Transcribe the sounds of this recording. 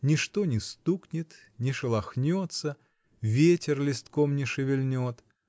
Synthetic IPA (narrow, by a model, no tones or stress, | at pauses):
nʲɪʂt̪onʲɪst̪uknʲɪt̪ | nʲɪʂɨlˠɐxnʲot̪sə | vʲetʲɪrlʲɪst̪komnʲɪʂɨvʲɪlʲnʲot̪